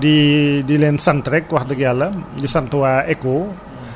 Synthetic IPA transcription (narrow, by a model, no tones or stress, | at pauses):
didilɛnsant̪ɾɛkwahd̪əɡialəmdisant̪uaeko